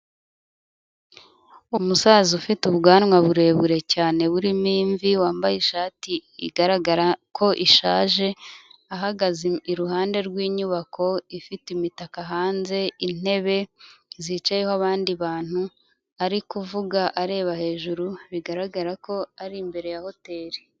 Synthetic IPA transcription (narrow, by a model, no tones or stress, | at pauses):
umusaːzufituβɡaːnŋwaβuɾe̞ːβuɾe̞caːne̞βuɾimiːɱviwaːmbajeʃaːtiiɡaɾaɡaɾakʰo̞ʔiʃaːʒe̞aɦaɡaziiɾuɦaːnde̞ɾɡwiːɲuβakʰo̞ifitimitakaɦaːnze̞in̥e̞βe̞zit͡ʃajehoaβaːndiβaːn̥hu | aɾikuvuɡaʔaɾe̞ːβahe̞ːʒuɾuβiɡaɾaɡaɾako̞aɾimbe̞ɾe̞jaho̞te̞ːɾi